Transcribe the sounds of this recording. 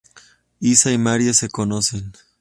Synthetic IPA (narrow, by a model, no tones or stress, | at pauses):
isaimaɾjasekonosen